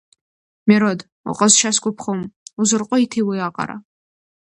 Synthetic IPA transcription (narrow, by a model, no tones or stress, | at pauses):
mɛɾod | ṵqʼəzʃaskʷʼʊpʰχomuzɨrqʷʼɔitʰiwɐjaqʼa̰ɾa̰